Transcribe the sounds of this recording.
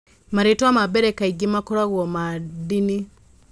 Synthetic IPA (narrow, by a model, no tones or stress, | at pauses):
maɾetwamabɛɾɛkaiɡimakɔɾaɣwɔmadini